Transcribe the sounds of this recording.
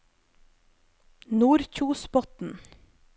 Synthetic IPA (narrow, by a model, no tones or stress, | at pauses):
nuːɾçuːspɔt̪n̩